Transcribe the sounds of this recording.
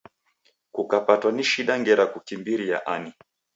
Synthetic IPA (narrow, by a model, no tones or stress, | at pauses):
kukapatwaniʃiɗaŋɡɛɾakukimbiɾija̰ʔani